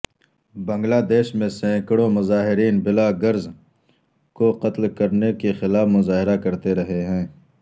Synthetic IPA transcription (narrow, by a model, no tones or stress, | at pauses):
bɐ̃ŋɡlaːd̪eːʃmẽsẽːkɽõmʊzaːɦɪɾiːnbɪlaɡɐɾz | koqɐt̪lkɐɾnekexɪlaːfmʊzaːɦɪɾakɐɾt̪eɾɐɦeɦɛ̃ː